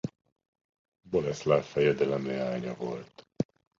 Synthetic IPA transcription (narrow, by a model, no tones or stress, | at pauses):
bolɛslaːfɛjɛd̪ɛlɛmeaːɲɒvo̞lt̪